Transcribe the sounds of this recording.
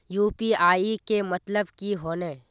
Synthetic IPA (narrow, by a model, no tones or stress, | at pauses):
juːpiaːikemɐt̪ləbkiɦoːneː